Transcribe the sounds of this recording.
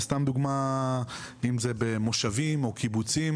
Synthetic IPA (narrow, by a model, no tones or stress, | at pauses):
st̪amd̪uɡma | imzebemo̞ʃavimo̞kibut͡sim